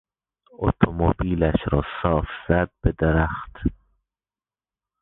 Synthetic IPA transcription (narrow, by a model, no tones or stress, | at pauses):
o̰t̪ʰomobiːlæʃɾɒːsɒːfz̥æd̪̚bed̪eɾæxt̪